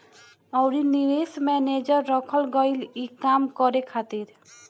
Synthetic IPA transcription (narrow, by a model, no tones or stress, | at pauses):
ʌwɾiniɾesmɛned͡ʒʌɾːʌkʰəlɡʌjlikamkʌɾekʰat̪iɾ